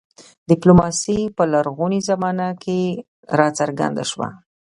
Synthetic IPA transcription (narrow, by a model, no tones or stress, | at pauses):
d̪̥ɪplomɑsipəlaɾɣunizamɑnakʰe | ɾɑt͡saɾɡa̰nd̪a̰ʃwa̰